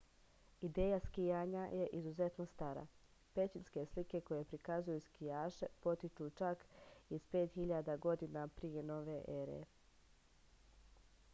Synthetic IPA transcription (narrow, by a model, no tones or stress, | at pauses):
id̪eːjaskijaːɲajeʔizuze̞t̪nost̪aɾa̰ | pe̞t͡ɕinske̞slike̞ko̞je̞pɾikazujuskijaːʃepo̞t̪it͡ʃut͡ʃakispe̞ːt̪xiʎad̪aɡo̞d̪inapɾijeno̞ʋeʔeɾḛ